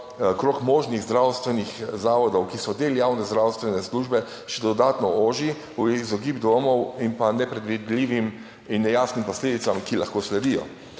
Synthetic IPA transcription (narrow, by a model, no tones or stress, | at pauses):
ɔkɾoːkmɔːʒniɣzd̪ɾawst̪ʋɛnixzaːʋɔd̪ɔwkisɔd̪eːlijawnɛzd̪ɾawst̪ʋɛnɛsluʒbɛ | ʃɛd̪ɔd̪aːt̪nɔoːʒi | ujiɣzɔɡibd̪omɔwimpanɛpɾɛd̪ʋid̪liːʋim | inːɛjaːsnimpɔsleːd̪it̪samkilaxkoːslɛd̪ijɔ̰